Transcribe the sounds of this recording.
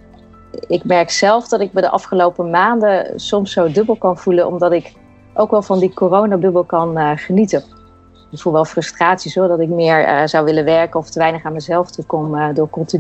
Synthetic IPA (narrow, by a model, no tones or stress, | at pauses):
ɪkmɛɹksɛlˠvdɑtɪkmədəʔɑ̰fχəlowpəmaːndəsɔmsowdɵbəlˠkɑnv̥ulənʔɔ̰mdɑtɪk | ʔowkʋɛlˠvɑndikorownadɵbəlˠkɑnəχənitən | fuʋɛlˠfrɵstraːtsisɔɹdɑtɪkmɪːɹ̰z̥ɑwʋɪlənʋɛɹkənɔftəʋɛjnəχaːnməzɛlˠftukɔmdʊːɹkɔnˠti